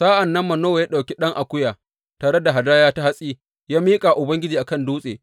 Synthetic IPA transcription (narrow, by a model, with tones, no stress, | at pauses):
saː˦ʔa˨nːɐ˦mːɐ˨noː˦wjaː˦ɗa˨wkʲi˦ɗɐ˦ŋʔa˨kʷʊ˦jaː˨ | taː˨ɽe˦da˨ɦa˨daː˦jaː˦ta˦ha˦sʼiː˦ | jaː˦miː˦kʼa˨ʔʊ˨bɐ˦ŋɡʲɪ˦d͡ʒiː˨ʔa˨kɐ˦nduː˦sʼḛː˨